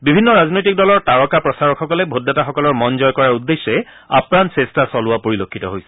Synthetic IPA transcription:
bibʱinːɔɹaznojtik̚dɔlɔɹtaɹɔkapɹɔsaɹɔkxɔkɔlɛbʱodːataxɔkɔlɔɹmɔnzɔjkɔɹaɹud̪ːesːɛ | a̰pnansestasɔlʊwapoɹilokʰːitɔɦojsɛ̥

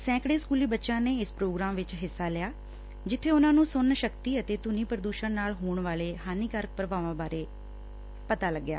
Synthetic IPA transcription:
sɛ̃ːkɽeːskuːliːbətːʃãːneːɪspɾoːɡɾaːmʋɪt͡ʃɦɪsːaːlɪjaː | d͡ʒɪt̪ʰːeːʊnãːnũːsʊnːʃəkt̪iːət̪eːt̪ʊnĩːpəɾd̪uːʃənnaːlɦoːɳʋaːleːɦaːniːkəɾək̚pɾəbaːʋãːbaːɾeː | pət̪aːləɡːja̰ː

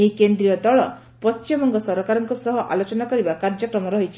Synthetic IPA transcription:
eɦikend̪ɾijɔd̪ɔɭɔ | pɔst͡ʃimɔŋɡɔsɔɾɔkaɾɔŋkusɔɦɔʔa̰lot͡ʃɔnakɔɾibakaɾd͡ʒjɔkɾɔmɔɾɔɦit͡ʃʰi̥

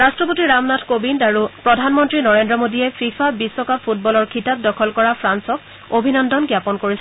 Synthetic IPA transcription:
ɹastɹɔp̬otiɹamnatʰkobindaɹupɹɔdʱanmɔntɹinɔɹendɹɔmodijɛfʰifʰabisːɔkapʰutbɔlɔɹkʰitap̚dɔkʰɔlkɔɹapʰɹansɔk̚ | obʱinɔndɔnɡjapɔnkoɹis

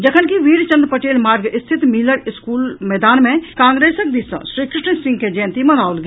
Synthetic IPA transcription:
d͡ʒɐkʰənkiʋiːɾt͡ʃə̃nd̪ɾpɐʈeːlmaːɾɡɪst̪ʰɪt̪miːləɾɪskuːlmɛːd̪aːnmẽkãːŋɡɾeːsək̚d̪isə̰̃sɾiːkɾɪʈəsɪ̃ŋɡked͡ʒɛːnt̪imɐnaːolɡ

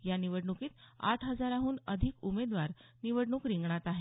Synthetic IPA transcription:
janiʋəɽɳukiːt̪a̰ʈʰɦəd͡zaɾaɦuːnəd̪ʱikumed̪ʋaɾ | niʋəɽɳuːkɾĩŋɡɳat̪aɦe

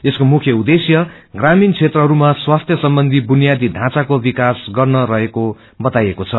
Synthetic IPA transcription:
eskomukʰjʌud̪esjʌ | ɡramint͡sʰet̪rʌɦʌɾumaswast̪ʰjʌsʌmbʌnd̪ʱibunijad̪iɖʱãt͡sakobikasɡʌrnʌɾʌɦeko | bʌt̪ajekot͡sʰʌ

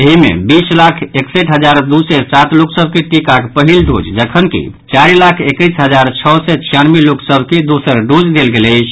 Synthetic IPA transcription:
eɦimḛbislakʰeksəʈɦəd͡ʒaɾd̪usɛsat̪luksəb̚ʱkeʈikakpəɦilɖo̰d͡ʒd͡ʒəkʰənkḭ | t͡ʃaɾilakʰekəjsɦəd͡ʒaɾt͡ʃʰɔsɛt͡ʃʰijanmiluksəbʱked̪usəɾɖod͡ʒd̪elɡeləɪt͡ʃʰ

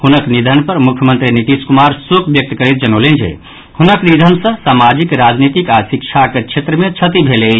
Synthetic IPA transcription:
hunəknid̪ʱənpəɾmukʰjəmənt̪ɾiniʈiskumaɾsukʰbjək̚t̪kəɾet̪̚d͡ʒənolend͡ʒʱḛ | hunəknid̪ʱənsə̃samad͡ʒikɾad͡ʒnit̪ikasik̚t͡ʃʰaket͡ʃʰet̪ɾəmẽt͡ʃʰət̪ibʱele

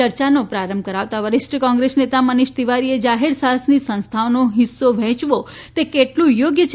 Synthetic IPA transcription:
əɾt͡ʃanopɾaɾəmb̚ʱkəɾaʋt̪aʋəɾɪʃʈəkɔ̃ŋɡɾesnet̪amənɪʃt̪iʋaɾied͡ʒaɦeɾsaɦəsnisə̃ñst̪ʰaonoɦɪsːoʋɛ̃t͡ʃʋot̪ekeʈlũjoɡjə

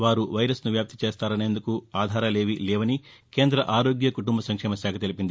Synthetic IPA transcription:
ʋaːɾuʋɐjɾɐsnuʋjaːp̚t̪it͡ʃeːst̪aːɾɐne̞ːnd̪ukuaːd̪ʱaːɾɐle̞ːʋilɛːʋɐni | ke̞ːnd̪ɾɐʔaːɾo̞ːɡjɐkuʈumbɐsɐŋkʂɛːmɐsaːkʰɐt̪e̞lipind̪i

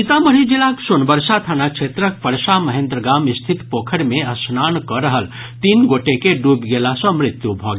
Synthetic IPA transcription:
it̪aməɽid͡ʒilaksunbəɾʃat̪ʰanakʃʰeːt̪ɾək̚pəɾʃaməɦẽndt̪ɾəɡaːmɪst̪ʰit̪poːkʰəɽmẽɐsnaːnkɔɾəɦəl | t̪iːnɡoːʈekeɖuːbɡeːlasɔ̃mɾɪt̪jubʱɔːɡ

